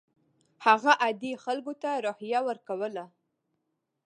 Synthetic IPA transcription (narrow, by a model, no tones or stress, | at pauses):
haɣaʔad̪ixalɡot̪aɾohjawəɾkawəla